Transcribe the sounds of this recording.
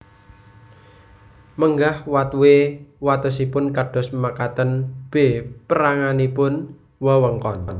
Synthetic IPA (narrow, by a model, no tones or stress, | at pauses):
məŋɡahwat̪wewat̪əsipʊnkaɖ̥ɔ̤smakat̪ənb̥e̤pəɾaŋanipʊn | wawəŋkɔnn